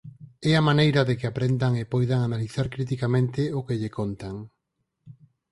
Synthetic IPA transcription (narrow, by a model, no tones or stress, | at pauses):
ɛamanejɾaðekɪapɾend̪aŋepojðaŋanaliθaɾkɾit̪̬ikamẽnt̪ɪʊkeʎekont̪aŋ